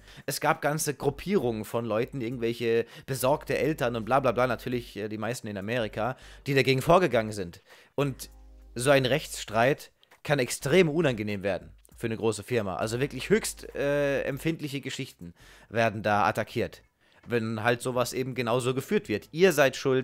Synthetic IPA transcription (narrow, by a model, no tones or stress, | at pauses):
ʔɛsɡ̥aːp̚ɡ̥ant͡səɡʁupʰiːʁ̞ʊŋənfɔnlɔʏtn̩ʔɪɐɡŋ̩tv̥ɛlçəb̥əzɔɐktəʔɛltɐnʊntb̥laːblaːblaːnatʰyːɐlɪçʔɛːdiːmaɪstn̩ɪnameːʁ̞ikʰaːd̥iːdaɡeːɡŋ̩foːɐɡəɡaŋənzɪnt | ʔʊntz̥oːaɪnʁɛçt͡sʃtʁ̥aɪt | kʰanɛkstʁ̥eːmʔunanɡəneːmveːɐdn̩ | fyːɐnəɡʁoːsəfɪɐma̰ʔa̰lzovɪɐklɪçhøːçstʔɛːɛ̰mfɪntlɪçəɡəʃɪçtn̩veːɐdn̩daːʔa̰takʰiːɐt | vɛnɦaltz̥oːvasʔeːbm̩ɡənaʊzoːɡəfyːɐtv̥ɪɐtʔiːɐzaɪtʃʊlt